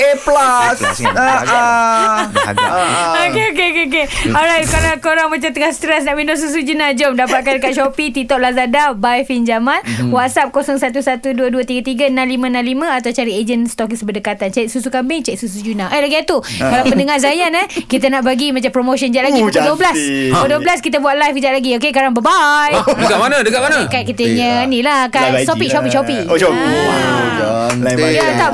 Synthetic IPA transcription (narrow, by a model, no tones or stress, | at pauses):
eplasa | okeokeokeokeɔɾajt̪̚kaɾakoɾaŋmãt͡ʃamt̪əŋahst̪ɾɛsnaʔminɔʔs̬us̬ud͡ʒunad͡ʒɔmdapkat̪̚kandəkat̪̚ʃopit̪it̪ɔʔ̚lazadabajfind͡ʒamanwat̪sap̚kosɔŋsat̪usat̪uduəduət̪iɡət̪iɡənãnlimə̃nãnlimə̃at̪awt͡ʃaɾied͡ʒənst̪okisbədəkat̪ant͡ʃɛʔ̚susukambɪŋt͡ʃɛk̚susud͡ʒunaʔəjlaɡiat̪ukkalawpəndəŋaɾzajanakit̪ənaʔbaɡimãt͡ʃampɾomoʃənd͡ʒaʔlaɡiduəblasoduəblaskit̪abuaʔ̪̚lajfd͡ʒaʔ̚laɡiokekaɾaŋbəbajdəkaʔmanə̃dəkaʔ̚manakaʔ̚kit̪əɲənĩlakat̪oik̚t͡ʃapiʔt͡ʃopikoop | aaat̪a